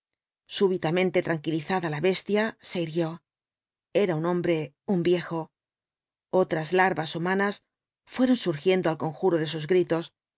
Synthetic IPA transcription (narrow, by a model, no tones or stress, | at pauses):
suβit̪amẽ̞nt̪e̞t̪ɾaŋkiliθaðalaβe̞st̪jase̞iɾjjo̞ | e̞ɾaunõ̞mbɾe̞ | umbje̞xo̞ | o̞t̪ɾazlaɾβasumãnas | fwe̞ɾo̞nsuɾxje̞nd̪o̞alko̞ŋxuɾo̞ðe̞suzɣɾit̪o̞s